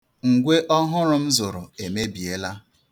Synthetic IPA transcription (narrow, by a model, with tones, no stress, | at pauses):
ŋ̩˨ɡʷe˦ʔɔ˦ɦʊ˦ɾʊ˨m̩˦zo˨ɾʊ˨e˨me˦bi˨e˦la˦